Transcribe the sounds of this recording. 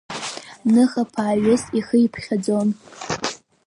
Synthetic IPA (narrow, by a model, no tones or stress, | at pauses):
nɨχapʰaːɥɪsiχəipʰχʲad͡zo̞n